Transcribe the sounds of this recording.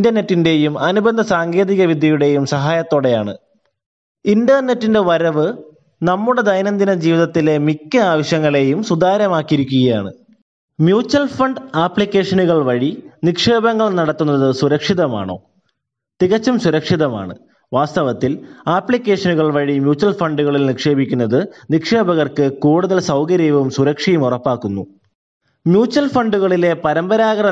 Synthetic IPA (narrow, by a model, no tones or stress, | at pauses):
indɐne̞tːinde̞jumɐnubɐnd̪ʱɐsaːŋɡe̞ːðiɣɐʋid̪ʱjɐjuɽe̞jumsɐɦaːjɐt̪ːo̞ːɽe̞jaːɳɨ̰ | indɐrnetːinde̞ʋɐɾɐʋɨ | nɐmːuɽe̞d̪ɐjnɐnd̪inɐd͡ʑiːʋiðɐt̪ːile̞mikʲːɨaːʋɐɕjɐŋːɐɭe̞jumsud̪aːɾɐmaːkːiɾukʲːuɣɐja̰ːɳɨ̰ | mjuːt͡ɕːɐlfɐɳɖaːpɭikʲːe̞ːʂɐnuɣɐɭʋɐɻinikʂe̞ːbɐŋːɐɭnɐɽɐt̪ːunːɐðɨsuɾɐkʂiðɐma̰ːɳo̞̰ː | t̪iɣɐt͡ɕːɐmsuɾɐkʂiðɐma̰ːɳɨ̰ | ʋaːst̪ɐʋɐt̪ːilaːpɭikʲːe̞ːʂɐnuɣɐɭʋɐɻimjuːt͡ɕːɐlfɐɳɖuɣɐɭilnikʂe̞ːbikʲːunːɐðɨnikʂeːbɐɣɐrkɨkuːɽuðɐlsɐwkɐɾijʋɐumsuɾɐkʂijumurɐpːaːkːunːu | mjuːt͡ɕːɐlfɐɳɖuɣɐɭile̞pɐɾɐmbɐɾaːɣɐɾɐ